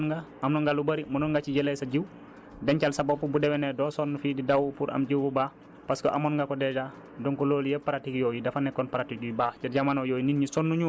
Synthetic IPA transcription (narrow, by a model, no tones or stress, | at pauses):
nŋɡa | ɐmnɔŋɡalubɐɾimunɔŋɡat͡ʃiɟɛlɛsaɟiw | dɛncalsabɔpubudɛwɛnɛdɔːsɔnːufididawupuɾʔɐ̰mɟiwbubaː | paskɔʔamɔnŋɡakɔdɛd͡ʒa | dɔŋkɔloːljɛpaɾatikjɔːjidɐfanɛkːɔnpaɾatik̚ujibaːt͡ʃaɟamaːnɔwjɔːjininɲisɔnːuɲu